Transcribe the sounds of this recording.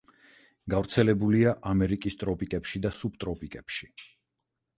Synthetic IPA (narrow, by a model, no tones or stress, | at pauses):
ɡ̥avɾt̪sʰɛlɛbuliaʔamɛɾikʼist̪ʼɾɔpʼikʼɛpʃid̪asup̚t̪ʼɾɔpʼikʼɛpʃi̥